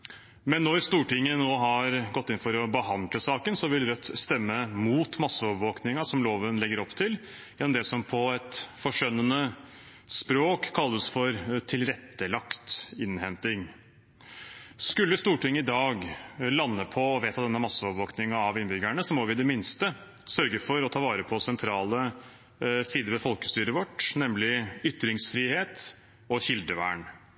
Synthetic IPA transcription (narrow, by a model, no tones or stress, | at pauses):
mɛnːɔɾst̪uːʈɪŋːənoːɦɑɾɡɔt̪ːɪnfɔɾɔbəɦɑnd̪ləsɑːkənsɔʋɪlɾœt̪ːst̪ɛmːəmuːt̪mɑsːəɔʋʋoːknɪŋɑsɔmloːʋənlɛɡːəɾɔpːt̪ʰɪl | jɛnmd̪ɛsɔmpʰɔɛt̪fɔʂœnːənə | spɾoːkkʰːɑlːəsfɔɾt̪ʰɪlɾɛt̪ːəlɑkt̪ɪnhɛnt̪ɪŋ | skʉlːəst̪uːʈɪŋːəɪd̪ɑːɡlɑnːəpʰɔːʋeːt̪ʰɑd̪ɛnːəmɑsːəɔʋʋoːknɪŋɑɑʋɪnbʏɡæɳəsɔmɔʋɪd̪ɛmɪnst̪ə | sœɾɡəfɔɾɔt̪ʰɑːʋɑːɾəpʰɔsɛnt̪ʰɾɑːlə | siːd̪əɾʋɛfɔlkəst̪yːɾəʋɔʈːnɛmlɪʏt̪ːɾɪŋsfɾiːheːt̪ | ɔɕɪld̪əʋæ̰ːɳ